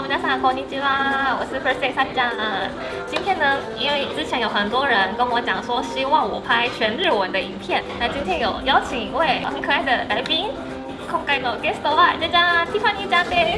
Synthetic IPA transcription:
mət͡ɕasakʰɔnit͡ɕiawɔsɹ̩pʰəseɪsat͡ɕjaə | t͡ɕint̪ʰjɛnə | inweɪʈ͡ʂɻ̩t͡ɕʰjɛnjoʊxənt̪wɔɻənkənwɔt͡ɕjɑŋʂwɔɕiwɑŋwɔpʰaɪt͡ɕʰɥɛnɻɻ̩wənd̪əiŋpʰjɛnnat͡ɕint̪ʰjɛnjoʊjɑʊt͡ɕʰiŋweɪmiŋkʰɤaɪd̪əlaɪpiŋ | kʰʊŋkaɪnokɛst̪oaʈ͡ʂat͡ɕjat̪ʰifanit͡ɕjat̪e

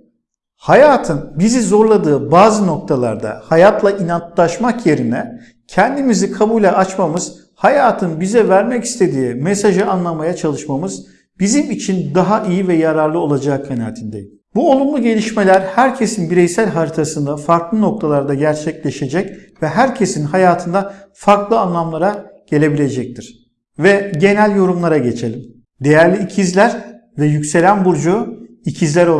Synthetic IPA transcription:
hajaːt̪ʰɯnbizizo̞ɾlˠad̪ɯːbaːzɯno̞k̚t̪ʰalˠa̰ɾd̪a̰hajat̪lˠaʔinant̪lˠaʃmakje̞ɾinɛ | cʰɛnd̪imizikʰabuːlʲɛʔat͡ʃmamɯz̥ | hajaːt̪ʰɯnbizɛvæɾmɛci̥st̪ʰe̞d̪iːmɛsaʒɯanlˠamajat͡ʃʰalˠɯʃmamɯz | bizimit͡ʃʰind̪aɦaʔijivɛjaɾaɾlˠɯo̞lˠad͡ʒaːkʰana̰ːt̪ʰind̪ḛji | buo̞lˠumlˠuɟe̞lʲiʃme̞lʲæɾhæɾcʰe̞sinbiɾɛjsælʲɦaɾit̪ʰasɯnd̪afaɾklˠɯno̞k̚t̪ʰalˠaɾd̪aɟæɾt͡ʃʰɛclʲe̞ʃe̞d͡ʒɛc | vɛɦæɾcʰe̞sinɦajaːt̪ʰɯnd̪afaɾklˠɯanlˠamlˠaɾaɟ̥e̞lʲe̞bilʲe̞d͡ʒɛc̚t̪ʰiɾ̥ | vɛɟe̞nælʲjo̞ɾumlˠaɾaɟe̞t͡ʃʰe̞lʲim | d̪e̞jæɾlʲiːcʰizlʲæɾ | vɛjycse̞lʲænbuɾd͡ʒu | icʰizlʲæɾo

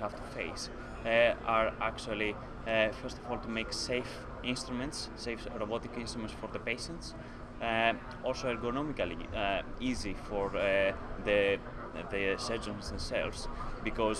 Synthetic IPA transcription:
havt̪u̥fḛɪs | ɐɾakt͡ʃuɐli | feɾst̪ovolt̪umejksejf | ĩnst̪ɾumẽnt̪sːejfɾobot̪ikĩnst̪ɾumẽntsfoɾðəpejʃə̃nt̪s | olsoeɾɡonomikɐlḭizifoɾðe | ðeseɾd͡ʒõnsðẽmsḛlvsbikoz

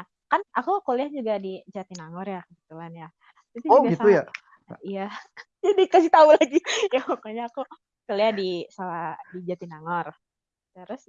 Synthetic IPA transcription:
na | kanakukoliahd͡ʒuɡadid͡ʒat̪inaŋɔrjakəbət̪uanja | tusioɡisauja | ija | d͡ʒadikasiht̪aulaɡijapokoɲaːku | koliahdisaladid͡ʒat̪inaŋɔr | t̪əɾʊs

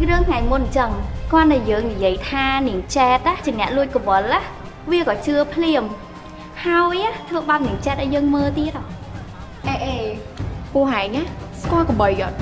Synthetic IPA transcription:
rɨəŋkʰŋajmʊt̪̚ɲt͡ɕəŋkŏənɗjjəːŋnijiəjt̪ʰaːniəŋt͡ɕɛːt̪̚aːt͡ɕiənɛ̆əʔluəc̚koʋəlːaː | ʋiəkɑːt͡ɕɨəpʰliəm | haɔjat̪ʰʋəːɓaːt̪̚niəŋt͡ɕɛːt̪̚ʔajəːŋməːlt̪iət̪̚ʔɑ | ʔeːʔeːpʊəhɦaɛŋaːskŏəlkɔɓəjot̪̚

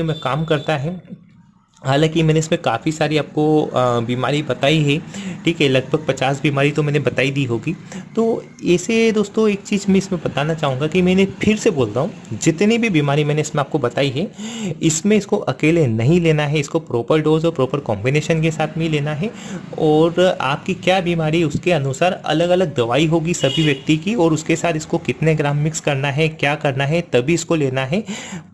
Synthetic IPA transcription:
omɛ̃kaːmkɐɾt̪aɦɛ | ɦaːlãːkimɛ̃ːneɪsmẽkaːfisaːɾiaːp̚kobiːmaːɾibɐt̪aːiɦɛʈʰiːkɦɛlɐɡ̚bʱəɡ̚pɐt͡ʃaːsbiːmaːɾit̪omɛ̃ːnebɐt̪aːid̪iːɦoːɡiːt̪oː | ɛːsed̪oːst̪õeːk̚t͡ʃiːzmẽɪsmẽbɐt̪aːnat͡ʃaːɦũŋɡakimɛːnepʰɪɾseboːlt̪aɦũd͡ʒɪt̪nibʱibiːmaːɾimɛ̃ːneɪsmẽaːp̚kobɐt̪aːiɦɛɪsmẽɪskoʔɐkeːlenɐɦĩleːnaɦɛɪskopɾoːpəɾɖoːzɔːɾpɾoːpəɾkɔ̰̃ːmbɪneːʃənkesaːt̪ʰmĩleːnaɦɛɔːɾa̰ːp̚kikjaːbiːmaːɾiɛʊskeɐnʊsaːɾɐ̰ləɡɐləɡ̚d̪ɐʋaːiɦoːɡisɐbʱiʋjɐk̚t̪ikiɔːɾʊskesaːt̪ʰɪskokɪt̪neɡɾaːmːɪkskɐɾnaɦɛkjaːkɐɾnaɦɛt̪ɐbʱiɪskoleːnaɦɛː

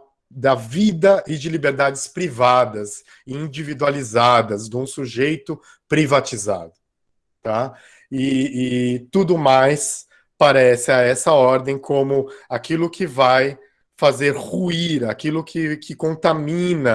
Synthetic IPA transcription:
d̪ɐvid̪ɐʔɪd͡ʒɪlibeɾd̪ad͡ʒɪspɾivad̪ɐs | ĩd͡ʒivid̪ualizad̪ɐzd̪ũsuʒejt̪ʊ | pɾivat͡ʃiza̰d̪ʊ | t̪a | ɪː | t̪ud̪ʊmajs | paɾɛsɪaɛsɐɔɾd̪ẽj̃kʰõmʊakilʊkʰɪvaj | fazeɾhuiɾakilʊkʰɪkʰɪkõnt̪amĩnɐ

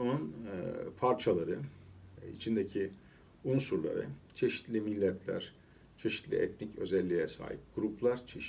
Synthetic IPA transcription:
onunpʰaɾt͡ʃʰalˠaɾɯ | ḭt͡ʃʰind̪ecʰi | unsuɾlˠa̰ɾɯ̰t͡ʃʰe̞ʃi̥t̪lʲimilʲːɛt̪ʰlʲæ̰ɾ̥ | t͡ʃʰe̞ʃi̥t̪lʲḭɛt̪̚nicøzɛlʲːijɛsa̰ːɦḭp̚ɡ̥uɾuplˠaɾt͡ʃʰeʃ

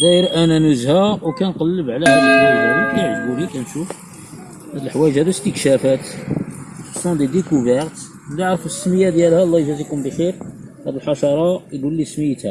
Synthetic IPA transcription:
d̪æəɾʔænænʊzhæwkænqɑlːəbʕlæhæd̪æʕd̪ælikæjəʕəʒbuɾikænʃuf | hæd̪əlħwæjəʒhæd̪ust̪əkʃæfæt̪ | sɑ̃nd̪ed̪ekuvəɾt̪ | laʕɾəfəsːməjæd̪jælhælˤːɑjʒæzikunbixiɾ | hæd̪əlħɑʃɑɾˤɑilulːisməjːət̪hæ

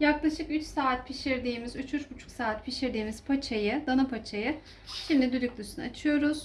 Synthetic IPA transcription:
jaklˠaʃɯkyt͡ʃsaːt̪̚pʰiʃiɾd̪iːmizyt͡ʃʰyt͡ʃbut͡ʃʰu̥ksaːt̪pʰiʃiɾd̪iːmiz̥pʰat͡ʃʰajɯd̪anapʰat͡ʃʰajɯ | ʃimlʲɛd̪ylʲyklʲˠysunɯat͡ʃʰɯjo̞ɾuz̥

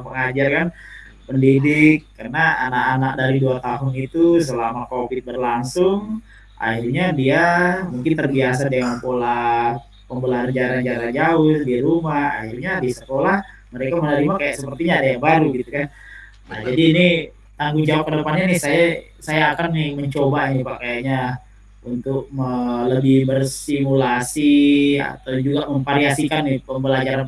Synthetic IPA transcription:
pəŋad͡ʒarkan | pəndidɪkːərnaa̰nakanak̚daɾiduat̪aɦʊnit̪us̬əlamakopɪt̪̚bərlaŋsʊŋ | a̰hirɲadiamuŋkɪnt̪ərbias̬adeŋakola | pəmbəlaɾəɲd͡ʒaɾaɲd͡ʒaɾad͡ʒaʊsdiaɾumaha̰hirɲabisəkolah | məɾekamənaɾimakajaʔsəpərt̪iɲaːdajaŋbaɾuɡit̪ukan | nad͡ʒadiːni | t̪aŋɡuŋd͡ʒawap̚kədəpanɲanɪhsaja | sajaːkanɪməɲt͡ʃobanɪpakajaʔɲa | unt̪ʊk̚mələbɪhbərsimulasia̰t̪awd͡ʒuɡaməmpaɾiasikanːɪhpəmbəlad͡ʒaɾan

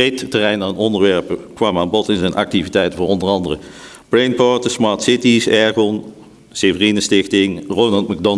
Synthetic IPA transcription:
ejttərɛjnaːnɔndəɹʋɛɹpəkʋɑmaːnbɔtɪnzɛnʔɑ̰k̚tivitɛjtəvʊːɹɔndəɹɑndərə̰ | b̥lejnpɔɹtəsmɑɹtsɪtisɛɹɡɔn | sevərinəstɪxtɪŋroːnɑlˠtmaɡ̚dɔn

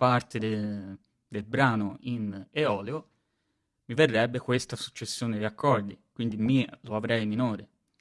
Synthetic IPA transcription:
part̪ed̪e | d̪elbɾaːnoineɔːleo | miverːɛbːekwest̪asu̥t͡ʃːesːjoːned̪iakːɔrd̪ikwind̪imiloavɾɛjminoːɾe

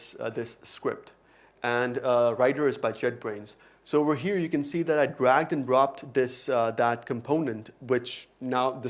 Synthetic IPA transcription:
sðɪskɹɪ̰p̚t | ʔɨ̃nɹaɪɾə˞ɨzbaɪd͡ʒɛd̚bɹẽɪ̃nz̥ | soʊwɪɹɦiɹjɨkɨ̃nsiːðɨɾaɪdɹæɡ̚dɨ̃ndɹɑp̚tðɪsðət̚kʰɨ̃mpʰõʊ̃nɨ̃ntwɪt͡ʃnaʊðɨ

